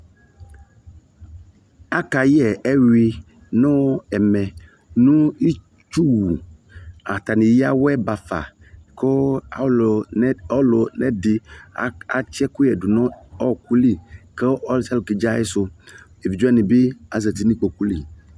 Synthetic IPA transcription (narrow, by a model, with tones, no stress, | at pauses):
a˦ka˨jɛ˨ɛ˦wi˦ | nʊ̃˦ɛ˨mɛ˨ | nũ˦i˦ | t͡ʃu˦wu˨ | a˨t̪a˨nĩ˨ji˦a˦wɛ˦ba˨fa̰˨ | ko˦˨˦ | lo˨nɛ˦dɪ˨˦ | a˨t͡ʃɛ˦kʊ˦jɛ˨dʊ˨nɔ̃˦ɔ˦˨k̚u˦li˦ke˦ɔ˦lsɛ˦lki˨d͡ʒa˦e˦sʊ˦ | e˨vi˨d͡ʒo˦ɛ˦nĩ˨bɪ˦a˨za˨ti˦nĩ˦k͡po˨ku˦li˦˨